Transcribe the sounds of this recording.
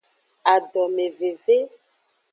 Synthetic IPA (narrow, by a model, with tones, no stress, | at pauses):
a˨ɖɔ˨me˨ve˨ve˦